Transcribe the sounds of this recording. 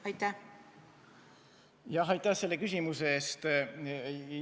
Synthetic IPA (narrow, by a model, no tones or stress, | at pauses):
ɑjt̪ːæ | jɑɦɑjt̪ːˑæhse̞lːe̞kysʲimuseeːst̪